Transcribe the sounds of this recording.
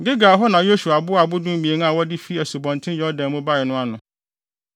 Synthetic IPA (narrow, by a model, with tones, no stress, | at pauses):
ɡɪ˦ɡaː˨ɦɔ˦nã˨jo˦su˨a˨bʊ˦a˨bʊ˦dʊ̃˦m˦bi˨e˨n˦a˨wɔ˦dɪ˦fi˦æ˨su˨bɔ̃˨n˨tʰɪ̃˦jɔ˨˦dã˨mʊ̃˦ba˦˨ɪ˨nʊ̃˦a˨nʊ̃˨